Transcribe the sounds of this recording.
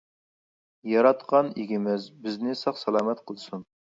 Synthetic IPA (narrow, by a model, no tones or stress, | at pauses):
jɑɾɑt̪qɑniɡʲɪmɪzbɪznɪsɑχsɛlˠɑːmɛt̪qʰəlˠsun